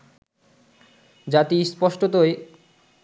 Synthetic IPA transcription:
d͡ʑat̪ispɔʃʈot̪oe

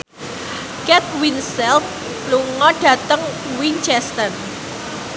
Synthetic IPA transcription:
kɛt̪̚winsɛlf | luŋɔɖ̥ä̤t̪əŋ | wint͡ʃɛst̪ən

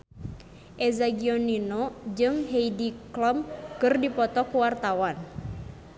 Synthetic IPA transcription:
ʔɛzaɡiɔninod͡ʒɨŋɦeidiklɔmkɨrdipɔt̪ɔkuwart̪awan

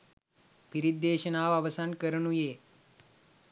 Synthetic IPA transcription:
piɾid̪̚ːeːʃɐnaːʋaʋɐsankəɾɐnujeː

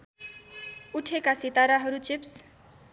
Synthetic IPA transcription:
uʈʰekasit̪aɾaɦʌɾut͡ɕips

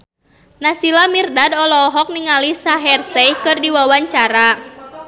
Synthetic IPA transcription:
nasilamirdadɔlɔɦɔk̚niŋalisaɦɛrsɛjkɨrdiwawaɲt͡ʃaɾa

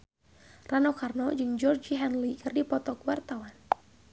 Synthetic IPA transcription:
ranokarnɔd͡ʒɨŋd͡ʒɔrd͡ʒiɦɛnlikɨrdipɔt̪ɔkuwart̪awan

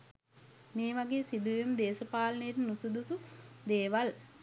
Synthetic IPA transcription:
meːʋaɡeːsid̪ujumd̪eːsəpaːlənəjeʈənusud̪usud̪eːʋal

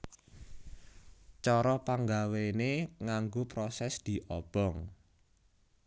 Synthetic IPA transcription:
t͡ʃɔɾɔpaŋɡaweneŋaŋɡopɾɔsɛsd̪̥i̤ʔɔb̥ɔŋ

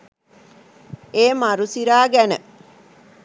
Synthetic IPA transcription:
eːmaɾusiɾaːɡænə

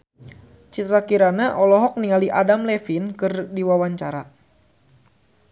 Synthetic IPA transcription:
t͡ʃit̪ɾakiɾanaʔɔlɔɦɔk̚niŋaliʔadamlɛfinkɨrdiwawaɲt͡ʃaɾa

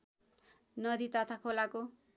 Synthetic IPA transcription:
nʌd̪it̪ʌt̪ʰakʰolako

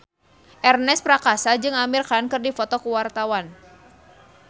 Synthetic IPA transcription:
ʔɛrnɛspɾakasad͡ʒɨŋamirkankɨrdifɔt̪ɔkuwart̪awan

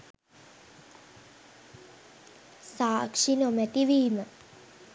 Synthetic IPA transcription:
saːkʂinomæt̪iʋiːmə

